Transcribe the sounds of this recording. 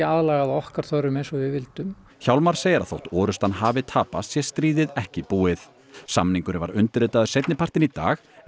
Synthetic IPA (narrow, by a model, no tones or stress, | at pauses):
aðlaːɣaðɔhkaɾ̥θœɾʏmejnsɔvɪvɪlt̪ʏm | çawlmaɾ̥seːjɪɾa̰ðθo̰wht̪ɔːɾʏst̪anɦaːvɪt̪ʰaːpa̰st̪sjɛst̪ɾiːðɪðɛhcɪpuːɪθ | sa̰mniŋkʏɾɪva̰ɾʏnt̪ɪɾɪːt̪aðʏsejt̪nɪpʰar̥t̪ɪnit̪a̰ːx